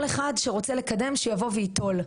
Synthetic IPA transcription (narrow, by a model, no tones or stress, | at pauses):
leχadʃeʁo̞t͡selekade̞mʃejavo̞vejito̞l